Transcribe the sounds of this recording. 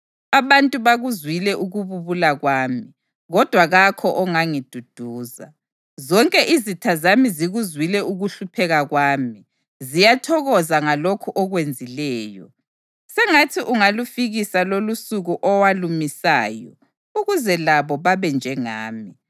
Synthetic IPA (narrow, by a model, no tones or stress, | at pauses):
aβantʼuβaɣuzwilɛʔuɣuβuβulaɣwaːmi | ɣɔd̥ʱwaɣakʰɔʔɔŋaŋid̥ʱud̥ʱuːza̰ | zɔŋkʼɛʔizitʰazamiziɣuzwilɛuɣuɬupʰɛɣaɣwaːmi | zijatʰɔɣɔzaŋalokʰuʔɔɣwend͡zʱilɛːjɔ̰ | sɛŋatʰiʔuŋalufiɣisalolusuɣuʔɔwalumisa̰ːjɔ̰ | uɣuzɛlaβɔβaβɛnd͡ʒʱɛŋa̰ːmi